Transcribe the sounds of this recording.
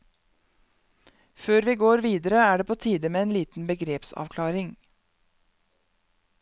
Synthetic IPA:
føːɾʋiːɡoːɾʋiːd̪əɾəæːɖeːpʰoːt̪ʰiːd̪əmeːeːnliːt̪n̩bəɡɾeːpsɑ̰ːʋkʰlɑːɾɪŋ

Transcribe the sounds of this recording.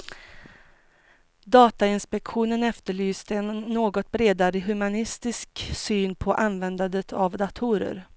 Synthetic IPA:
d̪ɑːt̪aɪnspɛkɧuːnənɛft̪əɭyːst̪ənːoːɡɔt̪̚bɾeːd̪aɾəɦɵmanɪst̪ɪsksyːnpʰɔʔanvɛnd̪and̪ət̪ʰavd̪at̪ʰuɾə̰ɾ

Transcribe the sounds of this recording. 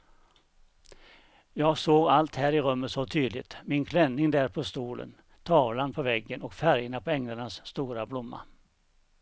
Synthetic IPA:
jɑːɡsoːɡalt̪hæːɾɪɾɵmːət̪sɔt̪ʰyːd̪lɪt̪mɪnkʰlɛnːɪŋd̪æːɾpʰɔst̪uːlʔə̰n | t̪ʰɑːvlanpʰɔvɛɡːənɔkfæɾjənapʰɔɛŋlaɳasːt̪uːɾablʊmːa̰

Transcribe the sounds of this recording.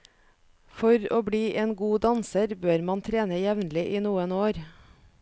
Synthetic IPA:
fɔɾo̰ːbɽiːʔeːnɡuːd̪ɑnsəɾbøːɾmɑnt̪ʰɾeːnəjɛʋnlɪʔiːnuːənoːɾ

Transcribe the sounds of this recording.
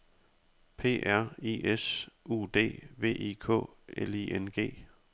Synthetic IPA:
pʰe̝̰ːʔæɐ̰ḭesṵːd̥e̝̰ːʋe̝̰ːʔḭːkʰɔ̰̽ːeliʔenɡ̥e̝̰ː

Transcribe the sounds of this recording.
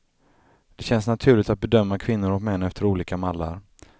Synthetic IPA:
d̪̥ɛɕɛnsnat̪ʰʉ̟ːɭɪt̪at̪̚bɛd̪œmːakʰvɪnːʊɾɔkmɛnːɛft̪əɾuːliːkamalːa̰ɾ

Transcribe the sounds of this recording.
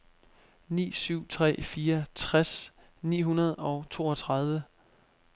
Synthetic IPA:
nḭːsyʊ̰t͡sʰʁɛ̰ːfiːɐt͡sʰʁas | nḭːɦunɐð̞ˠɒ̽ʊt͡sʰo̝ːɒt͡sʰʁɑ̈ð̞ˠʋə

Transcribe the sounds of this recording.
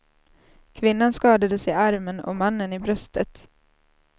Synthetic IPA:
kʰvɪnːanskɑːd̪ad̪əsɪaɾmənɔ̰manːənɪbɾœst̪ʰət̪

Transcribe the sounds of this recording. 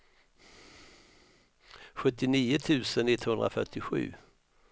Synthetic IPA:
ɧɵt̪ːɪniːʊt̪ʰʉ̟ːsənːɪt̪ːhɵnd̪ɾa̰fœ̰ʈːɪɧʉ̟̰ː

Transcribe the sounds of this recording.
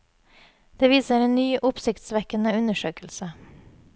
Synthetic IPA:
d̪̥eːʋiːsəɾeːnnyːʔʊpsɪkt̪sʋɛkənəʉnəʃøːkəlsə

